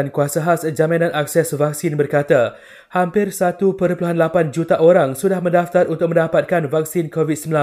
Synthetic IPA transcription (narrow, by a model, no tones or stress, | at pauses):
ankuasaɦasd͡ʒamãnãnak̚sɛsvak̚sɪnbərkat̪a | hampɪrsat̪upəɾpuluɦanlapand͡ʒut̪aʔoɾaŋsudahmə̃ndaft̪aɾunt̪ʊk̚mə̃ndapat̪̚kanvak̚sinkovit̪̚səmbila